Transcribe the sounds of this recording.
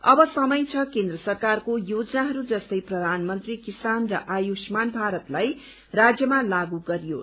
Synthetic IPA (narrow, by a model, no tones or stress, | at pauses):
ʌbʌsʌmʌjt͡sʰʌkend̪rʌsʌrkarkojod͡zʌnaɦʌɾud͡zʌst̪ʌjprʌd̪ʱanmʌnt̪rikisanrʌʔajusmanbʱaɾʌt̪laj | rad͡zjʌmalaɡuɡʌɾijo